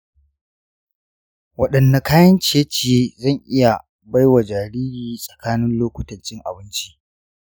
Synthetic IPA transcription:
wɐ˨ɗɐ˨nːa˨kaː˦jɐ˦nt͡ʃi˨je˦t͡ʃɪ˨jeː˦zɐ˦˨ŋʔɪ˦ja˨ | ba˦jwa˨d͡ʒaː˨ɾiː˦ɾiː˦sʼɐ̥˨kaː˦nɪ˦nloː˦kʷʊ̥˦tɐ˨nt͡ʃɪ˦ŋʔa̰˨bɪ˦nt͡ʃi˦ʔ

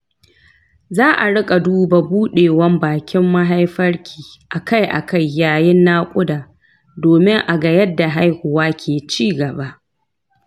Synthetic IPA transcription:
zaː˦ʔa˨ɽɪ˦kʼa˨duː˦ba˨buː˦ɗeː˨wɐ˦mbaː˨kʲɪ˦mːa˦ɦa˦jɸɐ˦rkʲʰi̥ː˨ʔa˨ka˦jʔa̰˨ka˦˨jːaː˨jɪ˦nːaː˦kʷʼʊ˦daː˨ | doː˨mɪ˦ŋʔa˨ɡɐ˨jɐ˦dːa˨ɦa˦jhʊ˨waː˦kʲʰeː˨t͡ʃiː˦ɡɐ˨ba˦ʔ

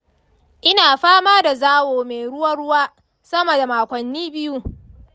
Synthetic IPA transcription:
ʔɪ˦naː˨ɸaː˦maː˦da˨zaː˦woː˨me˨jɽʊ˦wɐ˦rɽʊ˦waː˦ | sɐ˦mɐ˨da˨maː˨kʷɐ˨nːiː˦bɪ˦ju˦

